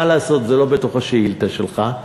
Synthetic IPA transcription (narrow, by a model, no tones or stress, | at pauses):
alaːso̞t̪zelo̞bet̪oχaʃeilt̪aʃelχa